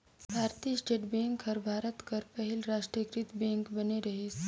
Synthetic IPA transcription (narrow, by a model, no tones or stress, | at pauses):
saːɾt̪isʈeʈbẽŋkɦəɾbʱaːɾət̪kəɾpəɦilɾaːʃʈɾəkɾit̪bẽŋkbɐneɾɐɦis